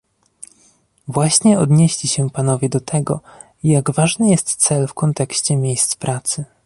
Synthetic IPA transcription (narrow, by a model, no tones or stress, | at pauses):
vwaɕɲɛɔd̪ɲeɕlʲiɕɛpanɔvʲjɛd̪ɔt̪ʰɛɡɔ̰ | ijaɡvaʐnɘjɛst̪t̪sɛlfkɔnt̪ɛkɕt͡ɕɛmʲjejst̪spɾʔat̪sɘ